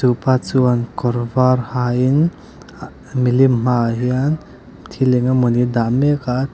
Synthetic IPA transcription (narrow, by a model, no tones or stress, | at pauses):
supat͡suankɔɾvaɾhain | milimmaɦian | t̪ʰileŋamɔnid̪ameka